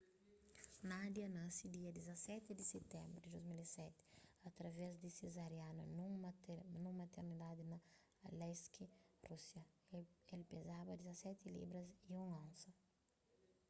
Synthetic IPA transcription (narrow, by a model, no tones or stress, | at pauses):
nad̪jɐnãsid̪iɐd̪izɐsɛt̪ɪd̪ɪset̪ɛ̃mbɾɪd̪ɪd̪ozmilisɛt̪ɪ̥ɐt̪ɾɐvɛzd̪ɪsezaɾjanunũ | nũmɐt̪eɾnid̪ad̪ɪnɐ | lɛskirusjɐ | elpezabɐd̪izɐsɛt̪ɪlḭbɾɐziũŋɐ̃nsɐ